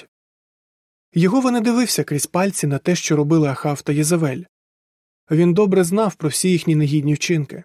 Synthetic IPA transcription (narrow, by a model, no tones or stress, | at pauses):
jɔɦɔʋɔnɪd̪ɪʋɪwsʲɐkɾʲisʲpɑlʲt͡sʲinɐt̪ɛʃt͡ʃɔɾɔbɪlˠɪɐxɑwt̪ɐjɛzɐʋɛlʲ | ʋʲind̪ɔbɾɛznɑwpɾɔwsʲijixnʲineɦʲidʲnʲiwt͡ʃɪnkɪ